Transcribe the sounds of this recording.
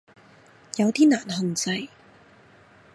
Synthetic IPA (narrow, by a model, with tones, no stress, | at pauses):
jɐ˨˧wt̪iː˥naː˨˩nhɐ˨nt͡sɐ˧j